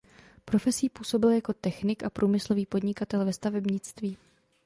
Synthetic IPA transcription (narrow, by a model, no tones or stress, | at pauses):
pɾo̞fɛsiːpuːso̞bɪljako̞t̪ɛxnɪkʔapɾʔuːmɪslo̞viːpo̞dɲɪkat̪ɛlvɛst̪avɛbɲɪt͡st̪viː